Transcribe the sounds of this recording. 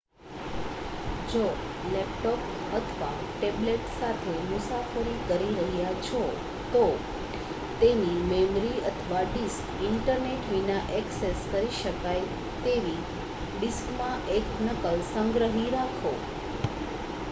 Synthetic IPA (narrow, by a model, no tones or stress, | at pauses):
d͡ʒolɛp̚ʈɔk | ət̪ʰʋa̰ | ʈebleʈsat̪ʰemʊsafəɾikəɾiɾəɦjat͡ʃʰo | t̪o | t̪enimemɾiət̪ʰəʋaɖiskɪɳʈəɾneʈʋinaʔɛkseskəɾiʃəkaj | t̪eʋi | ɖiskmãʔeknəkəlsə̃ŋɡɾəɦiɾakʰo